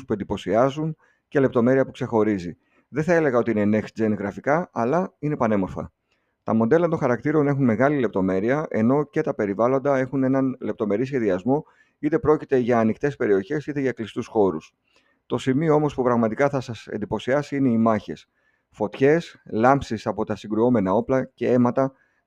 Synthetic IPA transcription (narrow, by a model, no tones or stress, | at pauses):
spue̞nd̪ipo̞siɐzun | ce̞le̞p̚t̪o̞me̞ɾiɐpukse̞xo̞ɾizi | ðe̞θɐe̞le̞ɣɐo̞t̪iine̞nexsid͡zenɣɾɐfikɐɐlɐinepɐne̞mo̞ɾfɐ̰ | t̪ɐmo̞d̪e̞lɐt̪o̞nxɐɾɐkt̪iɾo̞ne̞xunme̞ɣɐlile̞p̚t̪o̞me̞ɾiɐʔe̞̰no̞ce̞t̪ɐpe̞ɾivɐlo̞nd̪ɐe̞xune̞nɐnle̞p̚t̪o̞me̞ɾisçe̞ðiɐzmo̞ | it̪e̞pɾo̞cit̪e̞ʝɐːnikt̪e̞spe̞ɾio̞çe̞sit̪e̞ʝɐklist̪usxo̞ɾus | t̪o̞simio̞o̞mo̞spupɾɐɣmɐt̪ikɐθɐsɐsend̪ipo̞siɐsiine̞imɐçe̞̰s | fo̞t̪çe̞slɐmpsisɐpo̞t̪ɐsiŋɡɾuo̞me̞nɐo̞plɐce̞e̞mɐt̪ɐ